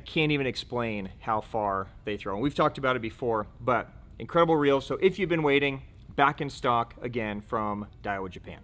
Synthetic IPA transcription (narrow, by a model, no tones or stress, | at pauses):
kʰæ̃ntivɨ̃nɨksplẽɪ̃nhaʊfɑɹðeɪθɹõʊə̃nwiv̥tʰɔk̚təbaʊɾɨt̚b̥ɨfɔɹbʌɾ | ʔɨ̃nkʰɹ̥ɛɾəbl̩ˠɹilˠz̥soʊʔɪfjɨvbɨ̃nweɪɾɪ̃ŋ | bækɨ̃nstɑkɨɡɛ̃nfɹʌ̃md̥aɪəwɨd͡ʒɨpʰæ̰̃n